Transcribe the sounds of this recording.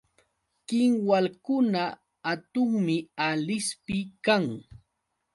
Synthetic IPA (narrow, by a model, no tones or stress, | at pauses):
kɪŋwalkʊnaː | t̪ʊŋmɪalɪspɪkaŋ